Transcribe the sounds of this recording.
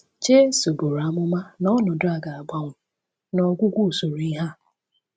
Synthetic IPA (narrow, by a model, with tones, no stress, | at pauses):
t͡ʃe˦so˨bo˨ɾa˨˦mʊ˦ma˦nɔ˦nʊ˨dʊ˦a˨ɡa˨a˨ɡ͡ba˨ŋʷʊ˨ | nɔ˨ɡʷʊ˦ɡʷu˦˨so˨ɾi˦ɦa˦˨